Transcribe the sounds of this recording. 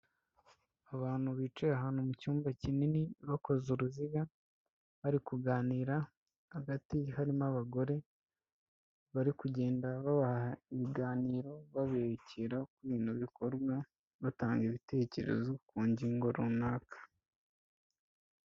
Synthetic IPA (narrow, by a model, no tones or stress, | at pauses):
aβaːn̥huβiːt͡ʃeaɦaːnhumucuːmbacininiβako̞zuɾuziɡa | βaɾikuɡaːniːɾa | haɡatihaɾimaβaɡo̞ɾe̞ | βaɾikuɟe̞ːndaβaβahahaiβiɡaːniːɾo̞βaβeciɾakuβiːnhuβiko̞ɾɡwa | βataːŋɡiβite̞ːce̞̰ɾe̞̰zokuːɲɟiŋɡo̞ɾunaːkʰḁ